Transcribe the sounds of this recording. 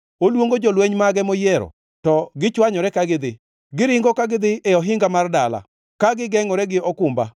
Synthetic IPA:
olwoŋɡod͡ʒolweɲmaɡɛmojɛɾɔ̰ | tɔɡɪt͡ʃwaɲɔɾɛkaɡɪd̪ɪ | ɡɪɾɪŋɡɔkaɡɪd̪ɪɛɔɦɪŋɡamardala̰ | kaɡɪɡɛŋɔɾɛɡɪɔkʊmba̰

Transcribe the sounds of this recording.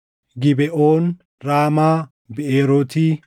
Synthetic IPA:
ɡɪbɛʔoːn | ɾaːmaː | bɪeːɾot̪i

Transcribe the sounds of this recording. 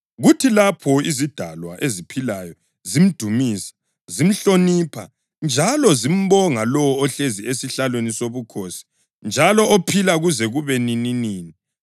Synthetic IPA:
ɣutʰilapʰɔizid̥ʱalwaʔezipʰilajɔ | zim̩d̥ʱumiːsḁ | zim̩ɬonipʰa̰ | nd͡ʒʱalɔzim̩βɔŋalɔwɔːɬeziesiɬalwenisoβukʰosi̥ | nd͡ʒʱalɔopʰilaɣuzɛɣuβɛnininiːni

